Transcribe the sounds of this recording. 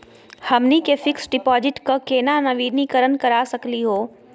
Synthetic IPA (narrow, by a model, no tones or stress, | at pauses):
hɐmnikefɪksɖɪpɔːzɪʈkokeːnanɐʋiːnikəɾənkɐɾaːsɐkliɦoː